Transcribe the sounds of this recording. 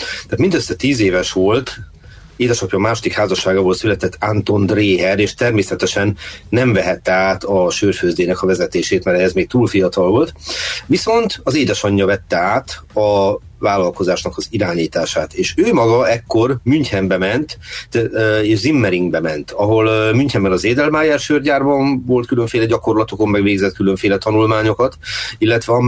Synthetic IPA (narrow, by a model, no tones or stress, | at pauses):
t̪aːt̪mind̪øsːɛt̪iːzeːvɛʃʋo̞lt̪ | eːd̪ɛʃɒpjɒmaːʃo̞d̪ikhaːzɒʃːaːɡaːvoːlt̪sylɛt̪ɛt̪ːant̪o̞nd̪reːɦɛɾeːʃt̪ɛrmeːsɛt̪ɛʃɛnːɛɱvɛɦɛt̪ːɛaːt̪ʰɒʃøːrføːzd̪eːnɛkɒvɛzɛt̪eːʃeːt̪mɛɾɛɛzmeːk̚t̪uːlfijɒt̪ɒlvo̞lt̪ʋiso̞nt̪ɒzeːd̪ɛʃɒɲːɒvɛt̪ːɛaːt̪ɒ | vaːlɒlko̞zaːʃnɒkɒziɾaːɲiːt̪aːʃaːt̪eːʃøːmɒɡɒɛkːo̞rmyɲt̪hɛmbɛmɛnt̪ | eːʃzimːɛɾiŋɡbɛmɛnt̪ɒɦo̞lmyɲchɛmbɛnɒzeːd̪ɛlmaːjɛrʃørɟaːrbɒnvo̞lt̪kylø̞ɱfeːlɛɟɒko̞rlɒt̪oko̞mmɛɡveːɡzɛt̪̚kylø̞ɱfeːlɛt̪ɒnulmaːɲo̞kɒt̪ilːɛt̪ʋɛɒ